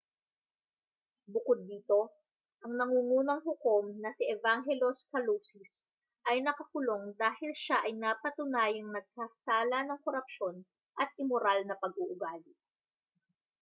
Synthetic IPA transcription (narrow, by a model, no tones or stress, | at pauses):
bʊkod̪ːiːt̪o̞ | ʔɐŋnɐŋuːŋuːnɐŋɦʊko̞mnɐsiʔɛvaŋɦɛloskɐluːsis | ʔɐjnɐkɐkʊlo̞ŋd̪aːhɪlʃaʔɐjnapɐt̪ʊnaːjɐŋnɐɡ̚kasaːlɐnɐŋkoɾɐp̚ʃo̞n | ʔɐt̪̚ʔɪmoɾalnɐpɐɡuʔʊɡaːlɪ